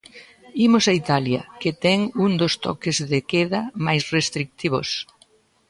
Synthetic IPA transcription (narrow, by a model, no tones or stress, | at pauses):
imʊsait̪aljɐ̰ket̪ɛŋuŋd̪ost̪ɔ̰kezðekɛðɐmajsrest̪ɾik̚t̪iβo̰s